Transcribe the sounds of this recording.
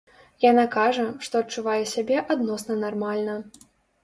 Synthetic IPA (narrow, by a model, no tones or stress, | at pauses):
janakaʐɐʂt̪ɔɐt̚t͡ʂuvajɛsʲabʲɛʔad̪nɔsnɐnarmalʲnɐ